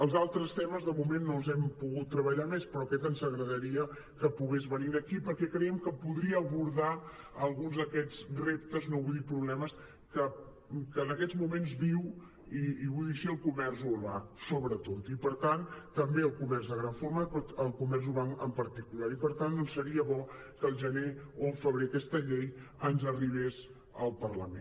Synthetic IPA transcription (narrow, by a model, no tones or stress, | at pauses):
əlˠzalˠt̪ɾəst̪ɛməzðəmumenːolˠzɛmpuɣut̪ːɾəβəʎamespɾɔəkɛt̪ənzəɣɾəðəɾiə | kəpuɣezβəniɾəkipəɾkɛkɾɛjəmkəpuðɾiəːβuɾða | əlˠɣunzðəkɛd͡zrep̚t̪əznoβujðipɾuβlɛməs | kə | kəːnəkɛd͡zmumenzβiw | iːβujðiʃiəlˠkumɛrzuβasoβɾət̪ot̪ipəɾt̪ant̪əmbeəlˠkumɛrzðəɣɾaɱfoɾməpɔt̪əlˠkumɛrz̬uβakəmpəɾt̪ikulaɾipəɾt̪annosəɾiəβɔ | kəlˠʒəneolˠfəβɾeəkɛst̪əʎejənzəriβ̞es | əlˠpərləmḛn